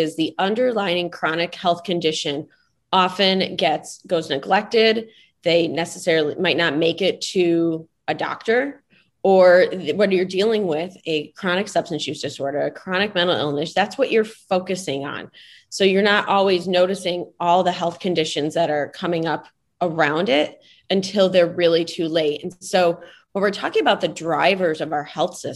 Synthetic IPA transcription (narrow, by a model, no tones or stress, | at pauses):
ɪzðiʔʌ̃ndə˞laɪɪ̃ŋkʰɹ̥ɑnɨkhɛlˠθkʰɨ̃ndɪʃɨ̃n | ɑfɨ̃nɡɛtsɡ̥oʊznɨɡlɛk̚tɪd̪̚ | ðeɪnɛsɨsɛɹl̩ˠimaɪtⁿnət̚meɪkɪtʰɨ | ɨdɑ̰k̚tə˞ | ə˞wʌɾjə˞dilˠɪ̃ŋwɪðɨkʰɹ̥ɑñɨksʌb̥stɨ̃n̩sʉsɨsɔɹɾʌɨkʰɹ̥ɑñɨk̚mɛ̃ɾ̃l̩ˠɪ̰lˠnɨʃðætswʌt͡ʃə˞foʊkɨsɪ̃ŋə̰̃n | soʊjə˞nəɾʔɔlˠwiznoʊɾɨsɪ̃ŋɔlˠðəɦɛlˠθkʰɨ̃ndɪʃɨ̃nzðɨɾə˞kʰʌmɪ̃ŋʌp | ə˞ãʊ̃ndɪɾ | ɨ̃ntʰɪlˠðə˞ɹɪlˠitʰʉleɪtɨ̃nsoʊwə̃nwɨɹtʰɔkɪ̃ŋɨbaʊt̪̚ðɨdɹaɪvə˞zʌvaʊə˞hɛlˠθsɪ